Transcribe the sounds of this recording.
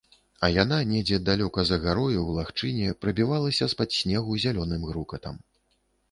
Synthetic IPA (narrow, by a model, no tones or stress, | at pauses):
ɐjananʲɛd͡zʲɛd̪alʲɔkɐzɐɣaɾɔjuwlˠaxt͡ʂɨnʲɛpɾɐbʲivalˠɐsʲɐspad̪sʲnʲɛɣuzʲalʲɔnɨmɣɾukɐt̪ɐ̰m